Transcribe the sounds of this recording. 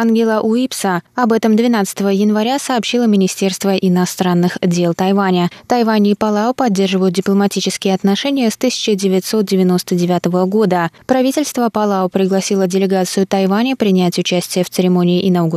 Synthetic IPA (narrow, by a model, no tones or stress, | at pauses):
anɡʲɪlˠəʔuipsəɐbɛt̪əmd̪vʲɪnat̪sə̥t̪əvəjɪnvɐɾʲasɐːpɕilˠəmʲɪnʲɪsʲtʲe̞rst̪vəʔɪnɐst̪ɾanːɨxdʲe̞lˠt̪ɐjvanʲət̪ɐjvanʲɪːpɐlˠaʊpɐdʲːe̞rʐɨvəjʊt̪̚ʲdʲɪplˠəmɐtʲit͡ɕɪ̥skʲɪjəɐt̪nɐʂɛnʲɪjəst̪ɨsʲɪ̥t͡ɕɪdʲɪvʲɪt̪ʲso̞t̪̚dʲɪvʲɪno̞st̪ədʲɪvʲat̪əvəɡo̞d̪əpɾɐvʲitʲɪlʲst̪vəpɐlˠaʊpɾʲɪɡlˠɐsʲilˠədʲɪlʲɪɡat̪sɨjʊt̪ɐjvanʲəpɾʲɪnʲætʲʊt͡ɕæsʲtʲɪjəft̪sɨɾʲɪmonʲɪːʔɪnɐuɡ